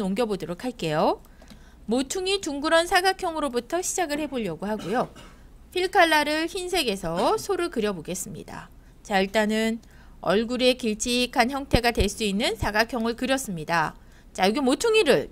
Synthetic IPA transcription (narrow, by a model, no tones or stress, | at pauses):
oŋɡjʌbodoɾokʰaɭk͈e̞jo | motʰuŋit͡ɕuŋɡɯɾʌnsʰaɡakʰjʌŋɯɾobutʰʌɕʰid͡ʑaɡɯɭhe̞boʎːjʌɡuɦaɡujo | pʰiɭkʰaɭːaɾɯɭçinsʰe̞ɡe̞sʰʌsʰoɾɯɭkɯɾjʌboɡe̞s͈ɯmɲḭda̰ | t͡ɕaiɭt͈anɯn | ʌɭɡuɾe̞kiɭt͡ɕʰiikʰançjʌŋtʰe̞ɡadwe̞ɭs͈uinːɯnsʰaɡakʰjʌŋɯɭkɯɾjʌs͈ɯmɲida | t͡ɕajoɡimotʰuŋiɾɯɭ